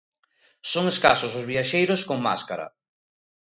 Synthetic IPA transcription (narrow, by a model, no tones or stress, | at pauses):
soŋeska̰sʊsozβiaʃejɾoskoŋma̰skaɾɐ̰